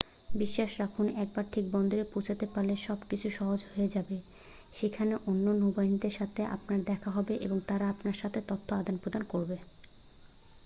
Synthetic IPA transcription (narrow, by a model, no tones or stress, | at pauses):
biʃːaʃɾakʰunɛk̚baɾʈʰik̚bɔnd̪oɾeput͡ɕʰat̪epaɾleʃɔbkit͡ɕʰuʃɔɦod͡ʑɦoed͡ʑabe | ʃekʰaneʔonːonobajnid̪eɾʃat̪ʰeʔa̰pnaɾd̪ɛkʰaɦɔbeʔḛboŋt̪aɾaapnaɾʃat̪ʰet̪ot̪ʰːoad̪ʱanpɾod̪ankoɾbe